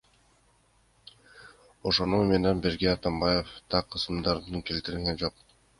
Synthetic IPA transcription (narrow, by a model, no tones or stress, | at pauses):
o̞ʃo̞nume̞nenbiɾɡeɑt̪ɑmbɑje̞ft̪ʰɑqʰːɯsɯmd̪ɑɾd̪ɯke̞lt̪iɾilɡend͡ʒo̞q̚